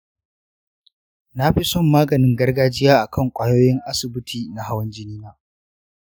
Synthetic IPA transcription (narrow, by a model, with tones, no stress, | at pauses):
na˦ɸi˦sɔ˦˨mːaː˦ɡɐ˨nɪ˦ŋɡɐ˦rɡaː˦d͡ʒɪ˦jaː˦ʔa˨kʰɐ˦ŋkʷʼaː˦joː˦jɪ˦ŋʔa˦sɪ˨bɪ˦tʰiː˨na˨ɦa˦wɐ˦nd͡ʒɪ˦niː˦naː˦